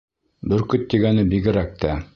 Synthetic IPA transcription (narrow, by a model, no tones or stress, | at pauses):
bɘɾkɵt̪ːiɡænɘbiɡɘ̆ɾæk̚t̪æ